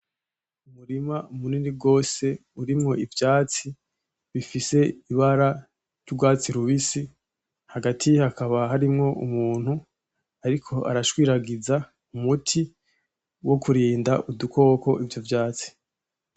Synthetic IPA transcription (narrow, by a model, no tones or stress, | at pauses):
umuɾimaumuninib̚ɡo̞ːse̞uɾimŋo̞ivjaːt͡si | βifise̞iβaɾa | ɾɟubɡwaːt͡siɾuβisi | haɡatʰihakaβaɦaɾimŋo̞umuːn̥hu | aɾikʰo̞ʔa̰ɾaʃwiːɾaɡiza | umutʰi | wʔo̞kuɾiːndaʔuduko̞ːko̞ʔivjo̞vjaːt͡si̥